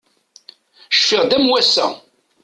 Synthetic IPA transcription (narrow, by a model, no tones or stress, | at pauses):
ʃfɪʁd̪æmwæsːæ̰